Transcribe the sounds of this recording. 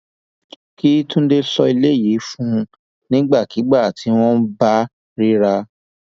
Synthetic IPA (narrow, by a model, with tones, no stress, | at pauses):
ki˦tũ˦de˦ɬɔ˧i˧le˦˨je˨˦fũ˦ | nĩ˦ɡ͡ba˦˨ki˨˦ɡ͡ba˦˨ti˨˦w̃ɔ̃˦ba˦ | ɾi˦ɾa˧